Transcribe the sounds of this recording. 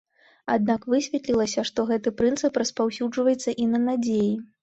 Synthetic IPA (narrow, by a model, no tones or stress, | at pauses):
ad̪̚nakvɨsʲvʲɛt̪lʲilˠɐsʲɐʂt̪ɔɣɛt̪ɨpɾɨnt̪sɨpɾɐspawsʲud͡ʐvɐjɛt̪sːɐʔinɐnad͡zʲeji